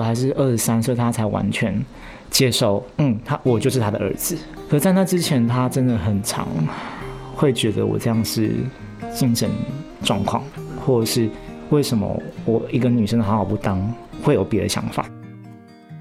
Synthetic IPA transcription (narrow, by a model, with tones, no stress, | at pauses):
xa˧˥ɪʂ̬ɻ̩˥˧ʔə˞˥˩ʂɻ̩˧˥sa˥nswe˥˩ɪt̪ʰa˥t͡sʰa˧˥ɪwa̰˧˦nt͡ɕʰɥɛ˧˥n | t͡ɕje˥ʂo˥˩ʊn̩˥˩t̪ʰa˦˥wɔ˨˩t͡ɕjo˥˧ʊʂ̬ɻ̩˥˩t̪ʰa˥d̪ə̰˨ʔə̰˞˧˥d͡zɹ̩˨ | kʰə˨˩˧t͡sa˥˧ɪt̪ʰa˥˩ʈ͡ʂɻ̩˥t͡ɕʰjɛ˧˥nt̪ʰa˥ʈ͡ʂə˦nd̪ə˨xə˨˩nʈ͡ʂʰɑ̰˧˥ŋ | xwe˥˩ɪt͡ɕɥɛ˧˥d̪ə̰˧wɔ̰˨˩ʈ͡ʂɤ˥˧jɑ˥˩ŋʂɻ̩̰˥˩ | t͡ɕi˥˧ŋʂə̰˧˦n | ʈ͡ʂwɑ˥˧ŋkʰwɑ̰˥˩ŋxwɔ˥˧ʂɻ̩˥˧we˥˩ɪʂə˧˥nmə̰˨˦wɔ˨˩i˧˥ɡə˨ny˨˩ʂə˥ŋd̪ə˨xɑ˧˥xɑ˨˩ʊpu˥˩t̪ɑ˥ŋ | xwe˥˩ɪjo˨˩ʊpjɾə̰˧ɕjɑ̰˧˥ŋfa̰˨˩˦